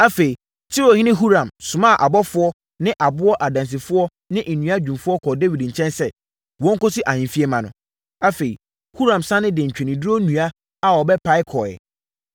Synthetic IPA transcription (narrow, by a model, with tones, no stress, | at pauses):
a˦fe˨i˨ | tʰɪ˦ɾo˨hɪ̃˦nɪ̃˦ɦu˦ɾã˨msʊ̃˨mã˦˨ʔa˨bɔ˦fʊ˦ɔ˦ | nɪ̃˦ʔa˨bʊ˦ɔ˦ʔa˨dã˨ns̬ɪ˨fʊ˦ɔ˦ | nɪ̃˦ʔnũ˨a˦d͡ʑᶣũ˨mfʊ˦ɔ˦kʰɔ˨de˦wi˨dɲ̩˨t͡ɕʰɛ̃˦nsɛ˦˨ | wɔ̃˦ŋ̩˦kɔ˦sɪ˦ʔa˨ɲɪ̃˨mfi˦ɛ˦mã˨nʊ̃˨ | a˦fe˨i˨ | hu˦ɾã˨msã˦nɪ̃˦dɛ̃˨ɲ̩˨t͡ɕᶣʰɛ̃˨nĩ˨du˦ɾo˦nũ˨a˦ | a˨ɔ˨bɛ˦pʰa˦ɪ˦kʰɔ˨ɛ̰˨